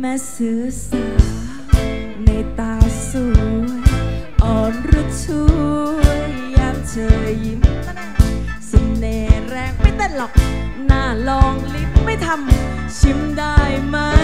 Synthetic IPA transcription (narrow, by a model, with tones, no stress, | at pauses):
mɛː˧˥sɯ˨˦əsɯ˨˧˩ | na˧˩jt̪aː˧su˧˩ | ʔɔː˨˩nɾu˦˥t̪̚t͡ɕʰu˧˥˧əj | jaː˧˩ŋt͡ɕʰɤː˨˧˩ji˨˦n˧˩˧ | si˨˩mneː˨˧˩ɾɛː˧˩ŋ̚ma˥˩jt̪aː˥˩nlɔ˨˩k̚ | naː˧˩lɔː˧ŋli˦˥m̚ma˥˩jt̪ʰa˧m | t͡ɕʰi˨˦˥mdaː˥˩jma˦˥